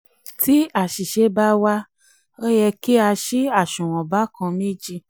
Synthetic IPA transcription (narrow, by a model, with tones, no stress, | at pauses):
ti˦a˦˨ʃi˨ʃe˧˦ba˦wa˦ | o˦jɛ˧ki˦a˧ʃi˦a˦˨ʃũ˨w̃ɔ̃˨ba˨˦kã˧mẽ˦d͡ʒi˧